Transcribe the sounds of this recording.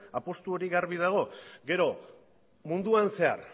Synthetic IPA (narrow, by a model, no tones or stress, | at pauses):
apo̞st̪uo̞ɾiɣaɾβið̞aɣ̞o̞ɡe̞ɾo̞ | mund̪uanse̞a̰r